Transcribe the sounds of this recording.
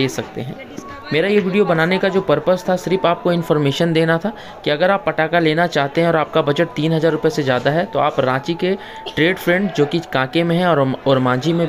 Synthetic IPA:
eːsɐk̚t̪ḛɦɛ̃ː | meːɾajeʋiːɖijobɐnaːnekad͡ʒoːpəɾpəst̪ʰasɪɾifaːp̚koɪ̃nfɔːɾmeːʃənd̪eːnat̪ʰa | kiɐɡəɾaːpːɐʈaːkaleːnat͡ʃaːɦt̪eɦɛ̃ɔːɾaːp̚kabɐd͡ʒəʈ̚t̪iːnɦɐzaːɾːʊpijesezjaːd̪aɦɛt̪oa̰ːpɾãːt͡ʃike | ʈɾeːɖfɾɛ̃ɳɖd͡ʒoːkikãːkemẽɦɛ̃ɔːɾɔːɾmãːd͡ʒimẽ

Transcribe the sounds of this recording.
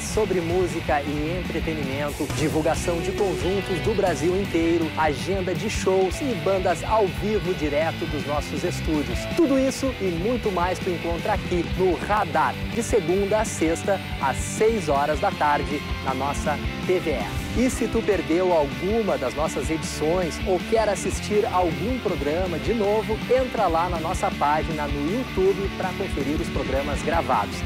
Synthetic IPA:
sobɾɪmuzikɐɪẽnt̪ɾet̪enimẽnt̪ʊd͡ʒivuwɡasɐ̃w̃d͡ʒɪkõʒũnt̪ʊzd̪ʊbɾaziwẽnt̪ejɾʊaʒẽnd̪ɐd͡ʒɪʃowzɪbɐ̃nd̪ɐzawvivʊd͡ʒiɾɛt̪ʊd̪ʊznɔsʊzest̪ud͡ʒʊst̪ud̪ʊisʊɪmũj̃t̪ʊmajst̪uẽŋkõnt̪ɾɐakinʊhad̪aɾd͡ʒɪseɡũnd̪ɐːsest̪ɐ | a̰sːejzɔɾɐzd̪ɐt̪aɾd͡ʒɪnɐnɔsɐt̪eveɛ̰ɪɪsɪt̪upeɾd̪ewawɡũmɐd̪ɐznɔsɐzed͡ʒisõj̃sowkɛɾasist͡ʃiɾawɡũpɾoɡɾɐ̃mɐd͡ʒɪnovʊẽnt̪ɾɐlanɐnɔsɐpaʒinɐnʊut̪ubɪpɾɐkõfeɾiɾʊspɾoɡɾɐ̃mɐzɡɾa̰va̰d̪ʊs

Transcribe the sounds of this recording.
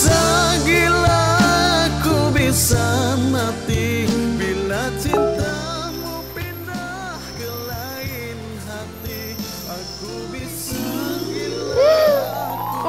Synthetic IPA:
saɡilaː | kubisamat̪ibilat͡ʃint̪amopina | hkəla | ɪ | n | ɦat̪i | ʔaku | bisaɡil

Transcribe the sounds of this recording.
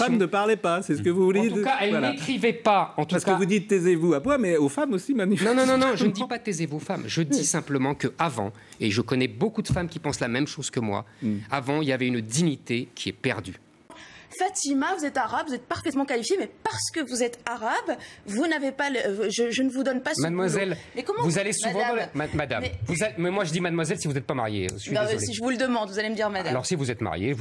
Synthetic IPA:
famnəpaʁlepasɛsəkəvuul̃t̪kaɛlalaek̪χivepaɑ̃t̪upaskkaəvud̪it̪ːezevuabwamɛofamosimanifnɔ̃nɔ̃nɔ̃nɔ̃ʒənəd̪ipat̪ezevuofamʒəd̪isɛ̃pləmɑ̃kəavɑ̰̃ | eʒəkɔnɛbokud̪əfamkʲipɑ̃slamɛmʃoz̥kəmwa̰avɑ̃iljavɛynd̪iɲit̪ekʲʰiɛpɛʁd̪y | fat̪imavuzɛt̪aʁabvuzɛt̪̚paʁfɛt̪mɑ̃kalifjemɛpaʁsə̥kəvuzɛt̪aʁabvunavepalʒəʒənəvud̪ɔnpasmad̪mwazɛlmɛkɔmɑ̃vuzalesuvɑ̃mamad̪a̰mɛvuzamɛmwaʒəd̪imad̪mwazɛlsivuzɛt̪̚pamaʁjḛəsɥibasiʒəvuld̪əmɑ̃d̪vuzaleməd̪iʁmad̪aalɔʁsivuzɛt̪ma̰ʁjevu

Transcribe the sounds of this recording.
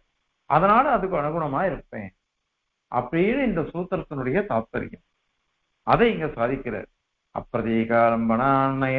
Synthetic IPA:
ʔɐðɐnaːlɐɐðɯkːɯɐnɯɣʊɳɐmaːɪɾɯpːḛ̃ː | ʔɐ̰pːɐɽɪjɪnɪnd̪ɐsuːt̪ːɐɾɐt̪ːɪnʊɽɐjɐt̪aːp̪ːɐ̰ɾɪ̰jɯ̰̃m | ʔɐðeɪŋɡɐsaːðɪkːɪɾɐ̰ɾ | ʔɐ̰pːɾɐðiːkaːlɐmbɐɳaːnɐ

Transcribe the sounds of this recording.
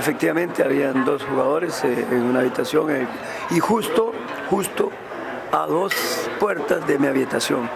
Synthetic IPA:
efek̚t̪iβamẽnt̪eaβiand̪o̞sxuɣaðo̞ɾeseŋunaβit̪asjo̞ŋe | ixust̪o | xust̪o | aðo̞spweɾt̪azðemiaβjet̪asjo̞ŋ

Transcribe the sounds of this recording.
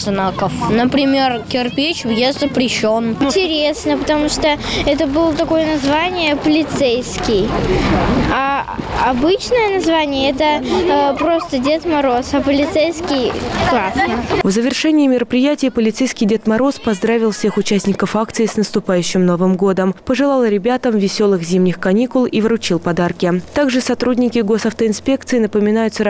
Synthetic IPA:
znakəfnəpɾʲɪmʲe̞rkʲɪrpʲet͡ɕʊjazəpɾʲɪɕːo̞ntʲɪɾʲesnəpət̪ɐmuʂt̪oɛt̪əbɨlˠət̪ɐko̞jənɐzvanʲɪjəpəlʲɪt̪sɛjskʲɪj | aɐbɨt͡ɕnəjənɐzvanʲɪjəɛt̪əpɾo̞st̪ədʲet̪mɐɾo̞sɐpəlʲɪt̪sejskʲɪjklˠasnəvzəvʲɪrʂɛnʲɪːmʲɪɾəpɾʲɪjætʲɪjəpəlʲɪt̪sɛjskʲɪjdʲet̪mɐɾo̞spɐzd̪ɾavʲɪlˠfsʲe̞xʊt͡ɕæsʲnʲɪkəfakt̪sɨɪsnəst̪ʊpajʉɕːɪmno̞vɨmɡo̞d̪əmpəʐɨlˠɑlˠɾʲɪbʲat̪əmvʲɪsʲo̞lˠɨxzʲimnʲɪxkɐnʲikʊlˠivɾʊt͡ɕilˠpɐd̪arkʲɪt̪aɡʐɨsɐt̪ɾudʲnʲɪkʲɪɡo̞sɐft̪əɪnspʲe̞kt̪sɨɪnəpəmʲɪnajʊt̪sə

